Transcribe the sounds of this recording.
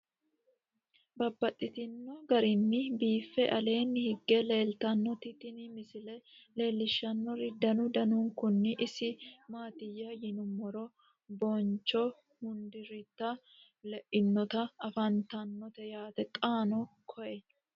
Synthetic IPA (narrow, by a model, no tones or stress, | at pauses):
bɐbːɐt̪ʼːɪt̪ɪnːɔɡɐɾɪnːɪbiːfːɛʔɐle̞ːnːhɪɡːɛle̞ːlt̪ɐnːɔt̪ɪt̪ɪnɪmɪsɪlɛle̞ːlːɪʃːɐnːɔɾɪd̪ɐnʊd̪ɐnʊŋkʊnːɪʔɪsɪmaːt̪ɪjːɐjɪnʊmːɔɾɔ | bɔnt͡ʃːɔ | hʊnd̪ɪɾɪt̪ːɐ | lɛʔɪnːɔt̪ɐɐfɐnt̪ɐnːɔt̪ɛjaːt̪ɛkʼaːnɔkʰɔʔɛ